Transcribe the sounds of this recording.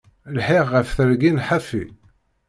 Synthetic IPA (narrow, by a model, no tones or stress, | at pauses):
lħiʁːəfθəɾɡinħafi